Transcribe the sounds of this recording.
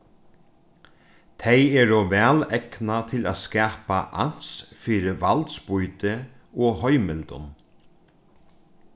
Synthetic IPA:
t̪ʰejɛɹɔʋɛːlɛknat̪ʰɪla̰ðskɛːpaʔa̰n̥sfiːɾɪʋalt̪spujt̪ɪ | ɔhɔjmɪlt̪ʊ̰n

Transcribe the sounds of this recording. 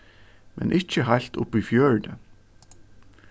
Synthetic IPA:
mɛ̰nʔɪc͡çəɦal̥t̪ʊ̰pːifjœːɹd̪ə

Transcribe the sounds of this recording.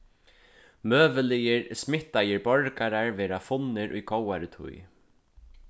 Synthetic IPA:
møːvɪlijɪɹsmɪht̪ːajɪɾbɔɹkaɾaɹvɛːɾafʊnːɪɾʔʊ̰jkowaɾɪt̪ʰʊ̰j

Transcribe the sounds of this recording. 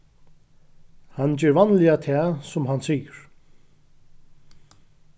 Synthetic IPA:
hanːd͡ʑɛːɾvanlɪat̪ʰɛːsʊmɦansiːjəɹ̥

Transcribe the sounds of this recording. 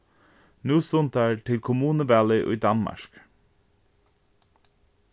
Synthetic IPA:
nuːst̪ʊnt̪̚æɹt̪ʰɪlkʰʊmuːnəbæːlɪʔʊ̰jd̪ɑnmɑ̰ɹk

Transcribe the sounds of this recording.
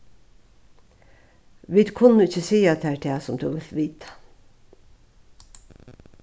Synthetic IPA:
ʋiːd̪kʰʊnəɪçəsiːɑt̪̚æːʈ̪ʰeːsʊmt̪ʰṵːʋɪlʋiːt̪ʰḁ

